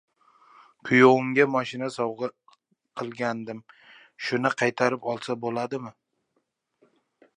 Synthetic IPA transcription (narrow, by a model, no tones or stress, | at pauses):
kʰʊjoʊŋɡʲamɒʃɪnasɒwʁɨ | qʰɨlˠɡʲand̪ɪm | ʃʊnɪqʰɑjt̪ʰaɾɪpɒlˠsabolad̪ɪmɪ